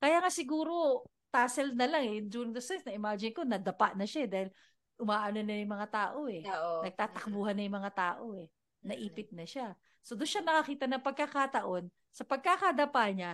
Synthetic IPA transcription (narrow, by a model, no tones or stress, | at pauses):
kɐjaːŋasɪɡuːɾo̞ | t̪aːsɛlnɐlaŋɛjʊnd͡ʒ̪uːɾɪŋd̪ɐsɛnsnɐʔɪmaːd͡ʒɪnko̞nɐd̪ɐpaʔnɐʃaɛd̪aːhɪl | ʔʊmaːʔanonɐjʊŋmɐŋat̪aːʔo̞ɛnɐɡ̚t̪aːt̪ɐk̚buːhɐnːɐjʊŋmɐŋat̪aːʔoɛ | nɐʔiːpɪt̪̚nɐʃa | so̞d̪ʊnʃanɐkɐkiːt̪ɐnɐŋpɐɡ̚kɐkaːt̪ɐʔo̞n | sɐpɐɡ̚kakad̪ɐpaɲa